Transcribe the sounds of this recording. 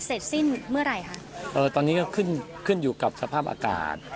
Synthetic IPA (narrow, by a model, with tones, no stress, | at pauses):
se˨˩t̪̚se˥˩nmɯ˥˩ɐɾa˧jkʰa˦˥ʔʔɤː˧t̪ɔː˧nːiː˦˥kɔː˥˩kʰɯ˥˩n | kʰɯ˥˩njuː˨˩ka˨˩p̚sa˧pʰaː˥˩p̚ʔa̰ː˧ka̰ː˨˩t̪̚